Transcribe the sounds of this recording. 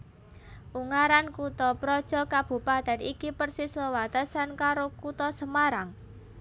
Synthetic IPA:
ʔuŋaɾankut̪ɔpɾɔd̥ʒ̥ɔ̤kab̥ṳpad̪̥a̤nikipərsisləwat̪əsankaɾokut̪ɔsəmaɾaŋ

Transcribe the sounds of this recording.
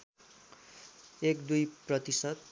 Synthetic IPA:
ekd̪ujprʌt̪isʌt̪̚

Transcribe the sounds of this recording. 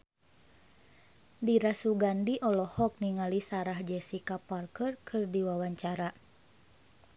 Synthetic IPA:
diɾasuɡandiʔɔlɔhɔk̚niŋalisaɾahd͡ʒɛsikaparkərkʰɨrdiwawaɲt͡ʃaɾa

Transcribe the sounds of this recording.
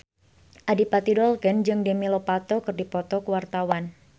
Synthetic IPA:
ʔadipat̪idɔlkɛnd͡ʒɨŋdɛmilɔpat̪ɔkɨrdipɔt̪ɔkəwart̪awan

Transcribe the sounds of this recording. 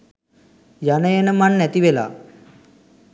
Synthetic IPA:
janəjenəmanːɛt̪iʋela̰ː

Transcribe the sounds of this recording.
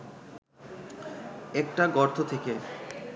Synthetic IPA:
ɛkʈaɡɔɾt̪ʰot̪ʰeke

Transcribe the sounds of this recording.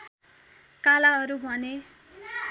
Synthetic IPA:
kalaɦʌɾubʱʌne

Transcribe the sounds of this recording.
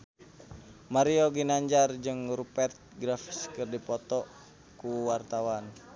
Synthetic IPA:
maɾioɡinaɲd͡ʒard͡ʒɨŋɾupɛrt̪̚ɡɾafskɨrdipɔt̪ɔ | kuwart̪awan

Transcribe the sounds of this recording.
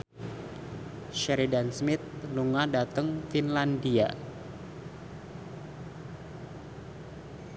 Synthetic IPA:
ʃɛɾidansmɪt̪̚nuŋadat̪əŋfinlandia

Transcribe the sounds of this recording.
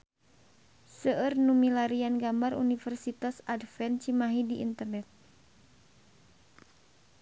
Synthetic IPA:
səʔərnumilaɾianɡambarunifərsit̪asadfɛnt͡ʃimaɦidiʔḭnt̪ərnɛt̪̚

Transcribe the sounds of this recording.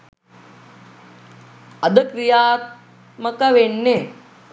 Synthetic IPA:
ɐd̪əkɾijaːt̪̚ | mɐkɐʋeɳːe

